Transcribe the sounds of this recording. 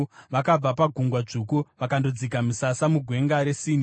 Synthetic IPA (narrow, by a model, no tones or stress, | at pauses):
ʋakab͡vapaɡʱuŋɡwaʐukuʋakando̞d͡zikamisasamuɡʱwe̞ŋɡaɾe̞siːni